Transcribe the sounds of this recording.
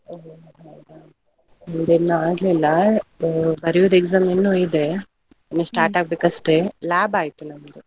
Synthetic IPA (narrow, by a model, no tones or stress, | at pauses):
oɦo | ɦajd̪a | ɔnd̪enːuaːɡlilːɐ | bɐɾijoʋd̪eɡzaːmenːuid̪e | nːusʈaːɾʈaːɡ̚beːkɐsʈelaːbaːjt̪unɐmd̪u